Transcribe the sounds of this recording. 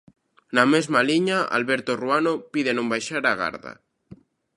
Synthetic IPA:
namezmaliɲaa̰lβeɾt̪oruanopiðenõmbajʃaɾaɣa̰ɾða̰

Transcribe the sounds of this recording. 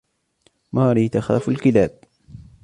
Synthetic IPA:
mɑːɾiːt̪axaːfalkɪlaːb̚

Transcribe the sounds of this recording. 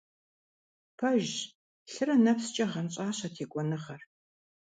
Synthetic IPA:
pʰɐʒ | ɬɨrɐnɐpst͡ʃʼɐʁɐnɕʼaːɕɐtʰeːkʷʼɔnɨχɐr

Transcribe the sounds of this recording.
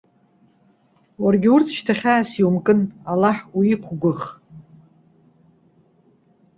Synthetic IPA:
warɡʲɪurt͡sʰʃtʰaχʲaːsiwmkʼɨnalːaħuikʷʰɡʷʊχ

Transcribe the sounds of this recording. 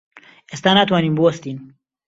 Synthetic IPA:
est̪aːnat̪waːniːmbuwɐst̪iːn

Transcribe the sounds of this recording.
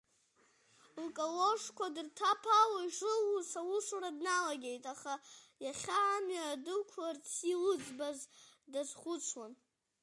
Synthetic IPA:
lkʼolo̞ʂkʷʰadɨrtʰapʰalaiʂɨlusawuʂradnalaɡʲejtʼaχajaχʲaːmɥaʕadɨkʷʰlart͡sʰilɨd͡zbazdazχʷʊt͡sʷʰwan

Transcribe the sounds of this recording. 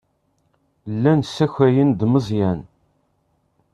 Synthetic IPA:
lːænsːæçæjənd̪məzˤjæn

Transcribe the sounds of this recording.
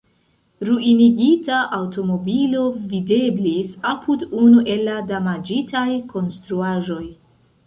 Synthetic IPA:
ɾuiniɡitaʔawto̞mo̞bilo̞vide̞blisapʰudunuʔe̞lːadamad͡ʒitʰajko̞nstɾuaʒo̞j

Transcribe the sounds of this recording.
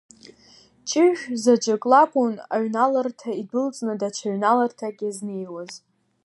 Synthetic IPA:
t͡ʃʼɪʒᶣzad͡ʒakʼlakʷʼuna̰ɥnalartʰaidɨlt͡sʼnɨdat͡ʃʰaɥnalartʰaɡʲʼaznejwaz

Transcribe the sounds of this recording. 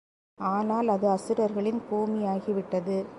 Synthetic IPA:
aːnaːlɐðɯɐsɪɾɐɾɣɐɭɪnpuːmɪjaːɣiʋɪʈːɐðɯ

